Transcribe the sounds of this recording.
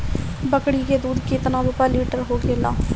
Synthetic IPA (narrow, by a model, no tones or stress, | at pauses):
bəkɽiːkeːd̪uːd̪kɪt̪nãːd̪oːpɛːliːʈəɾɦoːkeːla̰ː